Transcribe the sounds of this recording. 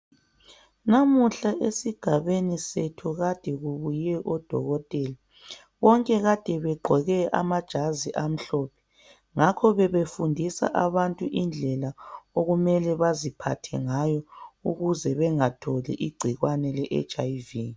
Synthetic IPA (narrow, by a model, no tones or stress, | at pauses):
namuɬaʔesiɡ̥ʱaβenisetʰuɣad̥ʱɛɣuβujɛʔɔd̥ʱɔ̰ɣɔtʼɛːla | βɔŋkʼɛɣad̥ʱɛβɛɡ͡ǃʱɔɣɛʔa̰mad̥ʒ̥ʱaziʔam̩ɬɔːpʰɛ̥ | ŋakʰɔβɛβefundʱisa̰ʔaβantʼuʔind͡ɮʱɛlaoɣumɛlɛβazipʰa̰tʰɛ̰ŋajɔuɣuzɛβɛŋatʰɔlɛ̰ʔiɡ͡ǀʱiɣwanɛlɛʔɛ̰t͡ʃʼajvi